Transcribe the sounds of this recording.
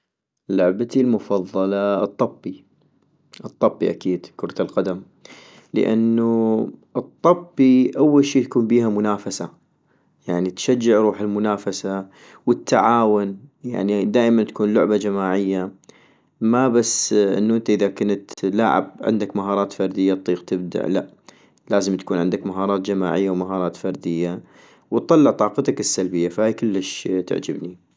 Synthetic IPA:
lʊʕbat̪ilmʊfɑðˤːɑlɑt̪ˤːɑbːi | ʔɨt̪ˤːɑbːiʔakiːd̪kʊɾˤt̪alqɑd̪am | lə̰ʔa̰nːuʔɨt̪ˤːɑbːiʔawːalʃiːt̪ḁkuːnbiːhamʊnaːfasa | jaʕnit̪ʃad͡ʒːɪʕɾuːħɪlmʊnaːfasa | wɪt̪ːaʕaːwʊnja̰ʕnid̪aːʔmant̪ḁkuːnlʊʕbad͡ʒamaːʕɪjːa | mabasːʔɪ̰nːuʔɪnt̪aʔɪðakʊnt̪laːʕɪ̰b̚ʕɪ̰nd̪akmaɦɑːɾˤɑːt̪fɑɾˤd̪ɪjːat̪ˤːiːqt̪ɪb̚d̪a̰ʕla̰ʔ | laːzɪmt̪ḁkuːnʕɪnd̪akmaɦɑːɾˤɑːt̪d͡ʒama̰ːʕɪjːawmaɦɑːɾˤɑːt̪fɑɾˤd̪ɪjːa | wt̪ˤːɑlːɪʕt̪ˤɑːqɑt̪akɪsːalbɪjːafahaːjkɪlːɪʃt̪ɪ̰ʕd͡ʒɪbni

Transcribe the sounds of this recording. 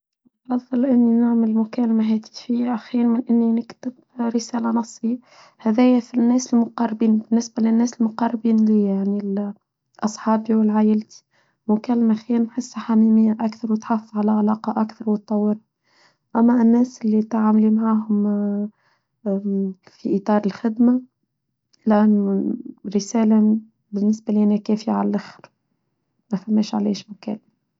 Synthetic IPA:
ʔɑðˤːɨlʔɪnːinaʕməlmʊkæːlmæɦɛːt̪i̥fijːaʔaxiːɾmɪnʔɪnːinɪkt̪ɪb | ɾɪsæːlænɑsˤːi | hæðɛːjæfinːɛːsɪlmʊqɑrˤːbiːnbɪnːɪsbælɪnːɛːsɪlmʊqɑrˤːbiːnliːjaʕnil | ʔɑsˤħɑːbiwɪlʕaːjɪlt̪i̥ | mʊkælːmaæxiːɾnħɪsːaħamiːmɪjːæʔækθɑɾˤwɪt̪ħafəfʕalæʕalɑːqɑʔakθɑɾˤwət̪ˤːɑwːɪɾˤɑ | ʔæmːæɪnːɛːsʔɪlːit̪ʕaːmlimʕaːɦʊm | fiʔit̪ˤɑːɾˤəlxɪd̪ma | lʔanːɾəsæːla | bɪnːɪsbæliʔænækɛːfiʕallʔaxɾ | mæfæmːɛːʃʕalḛːʃmʊkæ̰lːma

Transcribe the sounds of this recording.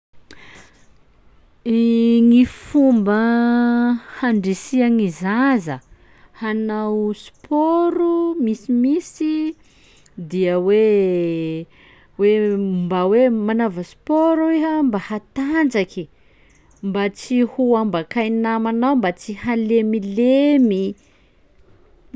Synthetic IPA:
ŋifumbə | haɳɖ͡ʐisiaŋizazə | hanawspʰoɾumisimisi | d̪iəwe | wembawemanavəspoɾaweɦəmbahat̪and͡ʒaki | mbat͡sihuambakajnamanawmbat͡sihalemilemi

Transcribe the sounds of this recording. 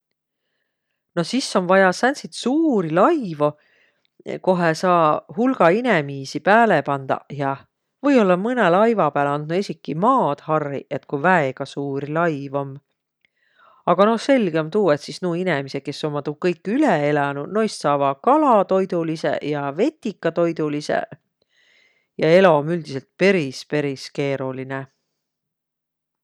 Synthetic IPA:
no̞sisːo̞nvɑjɑsænsit̪suːɾilɑjvo̞ | ko̞ɦesɑːhulɡ̥ɑinemiːsipæːlepɑnd̪̥ɑ̰jɑ | vɤ̞jo̞lːɑmɯnelɑjvɑpæːlɑnd̪nuesʲikːˑimɑːd̪̥hɑrːḭʔe̞t̪kujvæeɡ̥ɑsuːɾilɑjvo̞m | ɑɡ̥ɑno̞hse̞lʲɡ̥eomt̪uːet̪sisnuːine̞miseke̞sːo̞mːɑt̪ukɤjkːˑyleelɑnuno̞jst̪sɑːvɑkɑlɑt̪o̞jd̪ulise̞̰jɑve̞t̪ʲːˑikːˑɑt̪o̞jd̪ulisḛ | jɑe̞lo̞myld̪̥ise̞lt̪̚pe̞ɾispe̞ɾiske̞ːɾuline

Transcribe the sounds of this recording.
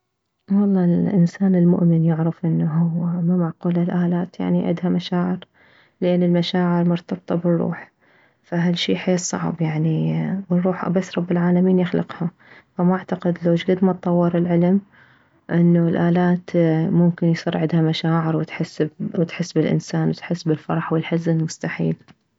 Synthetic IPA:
wɑlˤːɑːlʔɪ̰nsaːnɪlmʊ̰ʔmɪnjɪʕɾɪfʔɪnːaɦʊwːmamaʕquːlalʔaːlaːt̪ja̰ʕniʕɪ̰d̪hamaʃaːʕɪɾ | lɪʔanːɪlmaʃaːʕɪɾmʊɾt̪ɑbt̪ˤɑbɪrˤːṵːħ | faɦalʃiːħeːsˤɑ̰ʕ̰bjaʕniwɪrˤːuːħbasːɾˤɑbːɪlʕaːlamiːnjɪxlɪ̰qha | famʔaʕt̪aqɪd̪loːd͡ʒɡɪd̪mat̪̚t̪ˤːɑwːɪɾɪlʕɪlm | ʔɪnːulʔaːlaːt̪mʊmkɪnjsˤaɾʕɪd̪hamaʃaːʕɪɾwɪt̪ħɪsːbwɪt̪ħɪsːbɪlʔɪ̰nsaːnwɪt̪ħɪsːbɪlfɑɾˤɑħwɪlħazɪlmʊst̪aħḭːl

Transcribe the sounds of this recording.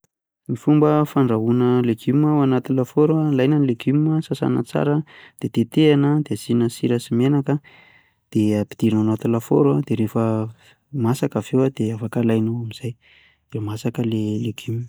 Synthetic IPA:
mifumbəfaɳɖ͡ʐaɦunəleɡiməwanat̪ilafoɾoalajnənleɡiməsasa̰nə̰t͡sa̰ɾəd̪̥et̪et̪eanəd̪eazinəsiɾəsimenakə | d̪̥eapi̥d̪̥iɾinanat̪ilafo̰ɾoad̪̥eɾefə | masakavewad̪eafakalajnaamiz̥aj | d̥emasakəleleɡ̥im

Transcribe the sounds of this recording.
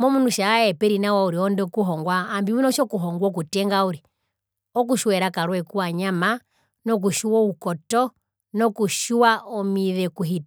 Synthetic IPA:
mɔmunuʃaaɛpɛɾinawauɾiɔndɛkuɦɔŋɡwaːmbimunɔʃɔkuɦɔŋɡwɔk̬utɛŋɡauɾi | ɔk̬uʃuwɛɾakaɾwɛkuwaɲama | nɔk̬uʃuwɔukɔtɔ | nɔkuʃuwaɔmiðɛkuɦitḁ

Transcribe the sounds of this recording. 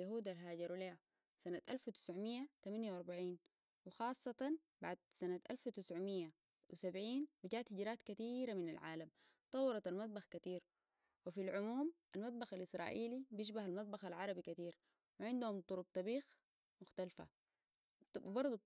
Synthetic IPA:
jaɦuːd̪alɦaːɟɑɾleːa | sanat̪ʔalfwit̪ɪ̥sʕmijːat̪amanjawɑɾˤbaʕiːn | wɪxɑːsˤːɑt̪ɑn | baʕd̪̚sanat̪ʔa̰lfwit̪ɪsʕmijːa | wisabʕiːnwiɟaːt̪hɪɟɾaːt̪kat̪iːɾaminalʕa̰ːlam | t̪ˤɑwːɑɾˤɑt̪almɑt̪̚ˤbɑxkat̪iːɾ | wifilʕʊmuːmʔalmɑt̪̚ˤbɑxalʔɪsɾˤɑ̰ːʔiːlibijɪʃ̬bahalmɑt̪̚ˤbɑxalʕɑɾˤɑbikat̪iːɾ | wɪʕɪnd̪ahumt̪ˤʊɾub̚t̪ˤɑbiːx | mʊxt̪alfa̰ | bɑɾˤd̪ˤu

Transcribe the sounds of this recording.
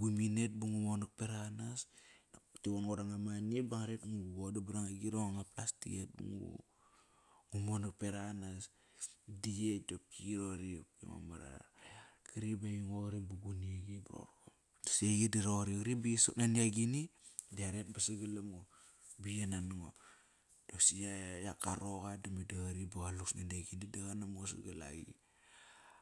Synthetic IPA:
buminet̚buŋumonak̚peɾanas | tiwonɡoɾaŋamaniebaŋaɾetŋuɡodabaɾaŋaɡiɾoŋaŋaplastḭet̚bṵŋṵ | ŋumonak̚peɾanas | dietop̚kiɾoɾipkḭmo̰maɾa̰ɾkiɾibejiŋoɣɾibuɡuniaɡibɾo̰ɾo | dsejidiɾoɾikɾibisonaniaɡinidiaɾet̚basaɡalamo | bijananŋo | d̥osijajakaɾoɣadamidaɣɾibaɣaluksnaniaɡinidaɣanamosaɡala̰ɡḭ

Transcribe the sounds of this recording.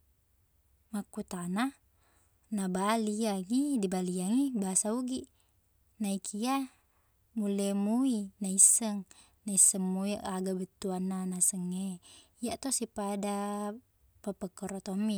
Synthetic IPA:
makːut̪ana | nabaliaŋidibaliaŋibasauɡiʔ | naikʰia | mulemuinaisːəŋ | naisːəŋmuiʔaɡabət̪ːuanːanasəŋːeiaʔt̪osipada | pəpəkəɾot̪omːi

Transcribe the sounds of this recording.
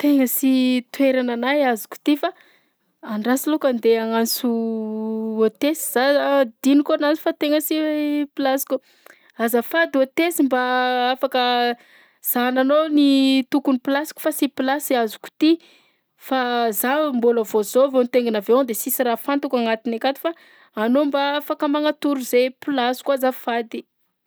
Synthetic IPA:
t̪eŋəsit̪weɾananajazu̥ku̥t̪ifa | aɳɖ͡ʐasilokand̪eaŋant͡su | ot̪esi̥z̥ad̪inikoanant͡si̥fat̪eŋəsipilasi̥kʲu | azafad̪uot̪esimbaafakə | z̥ananonit̪ukunipilasi̥ku̥fasipilasiazu̥ku̥t̪i | fazamboləvozovonit̪eŋɡinavead̪esisiɾafant̪ukaŋat̪inakat̪i̥fa | anombaafakəmaŋat̪uɾuzepilasi̥kuazafad̪i

